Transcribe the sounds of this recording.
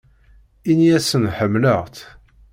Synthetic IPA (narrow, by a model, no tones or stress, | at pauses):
iniæsənħəmːləʁθ